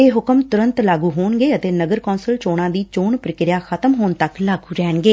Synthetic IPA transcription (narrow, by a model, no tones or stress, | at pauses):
eːɦʊkəmt̪ʊɾənt̪laːɡuːɦoːɳɡeːət̪eːnəɡəɾkɔːnsəlt͡ʃoːɽãːd̪iːt͡ʃoːɳpɾəkɪɾɪjaːxʰət̪əmɦoːnt̪əklaːɡuːɾɛːɳɡeː